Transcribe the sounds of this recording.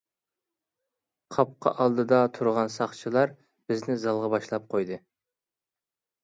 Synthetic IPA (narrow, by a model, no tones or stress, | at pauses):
qʰɑp̚qʰɑ̰ʔɑlˠd̪ɨd̪ɑt̪ʰuɾʁɑnsɑχt͡ʃʰilˠɑɾ | b̥ɪznɪzɑlˠʁɑbɑʃlˠɑp̚qʰojd̪ɨ